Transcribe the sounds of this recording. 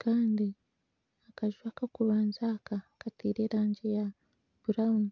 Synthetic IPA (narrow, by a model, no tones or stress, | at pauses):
kaːndi | akaʒwaːkakuɾwaːnzakakatʰiːɾeːɾaːɲɟeja | buɾaumu